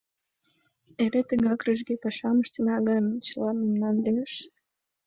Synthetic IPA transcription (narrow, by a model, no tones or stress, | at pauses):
eɾet̪əɣɑkryʒɡepɑʃɑməʃt̪ənɑɣə̆nt͡ɕəlɑnəmnɑnd̪eʃ